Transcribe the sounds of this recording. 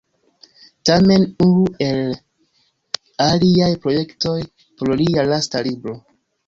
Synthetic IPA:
tame̞nunue̞l | aliajpɾo̞je̞kto̞j | poɾlialastalibɾo̞

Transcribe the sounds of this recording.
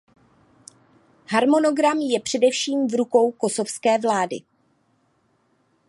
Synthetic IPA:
ɦaɾmo̞no̞ɡɾamjɛpr̝̥ɛdɛfʃiːmvɾuko̞wko̞so̞fskɛːvlaːdɪ̰

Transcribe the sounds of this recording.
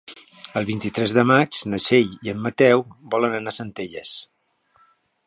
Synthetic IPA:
əlˠβint̪it̪ɾɛzðəmat͡ʃnəʃejiəmːət̪ɛwbɔlənənasənt̪eʎəs

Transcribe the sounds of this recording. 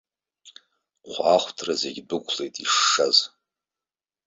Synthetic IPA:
qʷʰaχʷtʰrazeɡʲdɨkʷʰʼlejtʼiʂːaz

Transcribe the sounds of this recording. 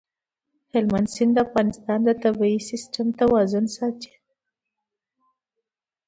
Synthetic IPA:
hɪlmansɪnd̪əafɣɑnɪst̪ɑnd̪ət̪abiisɪsʈamt̪awɑzʊnsɑt̪i̥

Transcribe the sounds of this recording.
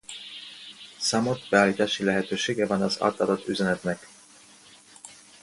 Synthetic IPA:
samot̪bɛaːliːt̪aːʃilɛɦɛt̪øːʃeːɡɛvɒnɒza̰ːt̪ad̪ot̪ːyzɛnɛt̪nɛk

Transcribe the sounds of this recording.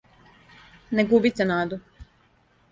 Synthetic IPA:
nɛɡuːbit̪sʲɛnaːd̪u

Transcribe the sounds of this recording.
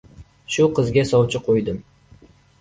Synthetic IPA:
ʃʊqʰɨzɡʲasɒwt͡ʃʰɪqʰojd̪ɨm

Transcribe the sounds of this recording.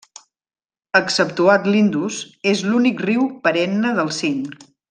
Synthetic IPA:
əksəp̚t̪uat̪lind̪uzezlunikriwpəɾɛnːəðəlˠsin

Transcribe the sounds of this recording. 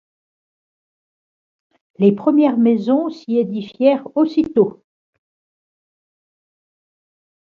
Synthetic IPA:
lepχəmjɛʁmɛzɔ̃sied̪ifjɛʁosit̪o

